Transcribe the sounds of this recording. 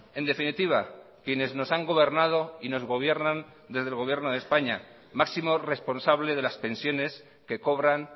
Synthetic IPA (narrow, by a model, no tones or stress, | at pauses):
e̞nd̪e̞finit̪iβ̞akje̞ne̞zno̞saŋɡo̞βe̞ɾnað̞o̞ino̞zɣ̞o̞β̞je̞ɾnãn | d̪e̞zðelɣo̞β̞jeɾnoðe̞spaɲa | maksimo̞re̞spo̞nsaβle̞ðelaspe̞nsjo̞ne̞s | ke̞ko̞β̞ɾan